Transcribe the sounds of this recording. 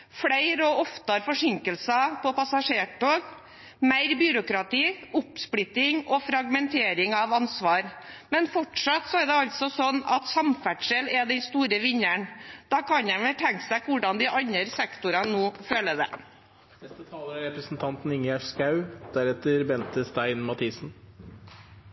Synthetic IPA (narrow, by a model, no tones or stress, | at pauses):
fɽæɪɾɔɔft̪əɾfɔʂɪŋkəlsɑpʰɔpɑsɑʂeːʈʰoːɡ | mæɪɾbyɾʊkɾɑt̪iːʊpsplɪt̪ːɪŋɔfɾɑɡmɛnt̪ʰeːɾɪŋɑʋɑnsʋɑːɾmɛnfɔʈʂɑt̪sɔæɖɛɑlt̪sɔsɔnːɑ̰t̪sɑmfæʈʂəlɛd̪ɛnst̪uːɾəʋɪɲæɳd̪̥ɑːkʰɑnæʋət̪ʰɛŋksæɪkʰʋʊɖɑnd̪ɪʔɑɲəɾsɛkt̪ʊɾɑnoːføːləd̪ɛ̰ | nɛst̪ət̪ʰɑːləɾɑɾɛpɾəsn̩t̪ʰɑnt̪n̩ɪŋjæʂskɑʉd̪̥æɾɛt̪əɾbɛnt̪əst̪æɪnmɑt̪ʰiːsn̩